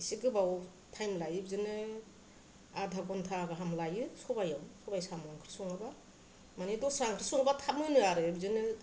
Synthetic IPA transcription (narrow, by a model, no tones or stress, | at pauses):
isiɡɯbaw | tʰajmlajɯbzɯnɯ | adʱaɡɔntʰaɡɯɦamlajɯsɔbajawsɔbajsamaŋkʰɾi̥sɔŋaba | manidɔsaŋkʰɾisɔŋabatʰamɯnɯaɾɯbzɯnɯ